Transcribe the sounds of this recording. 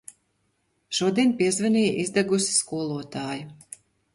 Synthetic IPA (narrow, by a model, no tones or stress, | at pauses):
ʃuɔd̪ʲiɛnʲpʲiɛzvanʲiːʔizd̪aɡusi̥skuɔlˠuɔt̪ɑːjʊ